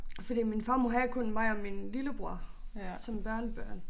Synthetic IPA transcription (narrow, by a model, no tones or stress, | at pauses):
fɒd̥ḭːminfɑ̈ːmoɦækʰɔ̽nmɑ̈ɪɒminliləb̥ʁuɐ̰sɒ̽mb̥ɶɐnəb̥ɶɐ̰n